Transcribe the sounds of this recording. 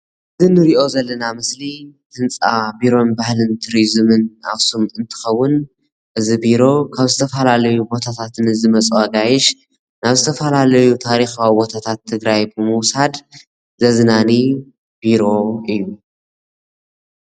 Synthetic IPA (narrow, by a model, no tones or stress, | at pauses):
ʔɨzɨnɨɾiʔo̞zɐlːɐnamɨslihʰɨnt͡sʼabiɾo̞nbahlɨnt̪ʰɨɾizɨmɨna̰βsumɨnt̪ʰɨ̥xɐwːʊn | ʔɨzibiɾo̞kʰaβzɨt̪ʰɐfɐlalɐjubo̞t̪ʰat̪ʰat̪ʰɨnɨzɨmɐt͡sʼaɡajɪʃ | naβzɨt̪ʰɐfɐlalɐjut̪ʰaɾixawibo̞t̪ʰat̪ʰat̪ʰːɨɡɾajbɨmɨwsad̪ | zɐzɨnani | b̥iɾo̞ɨjːu